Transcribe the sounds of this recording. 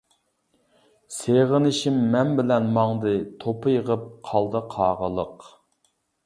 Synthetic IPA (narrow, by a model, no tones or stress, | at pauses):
seʁənɪʃimːɛnbɪlɛnmɑŋd̪ɨt̪ʰopʰɨjəʁəp̚qʰɑlˠd̪ɨqʰɑːʁəlˠəq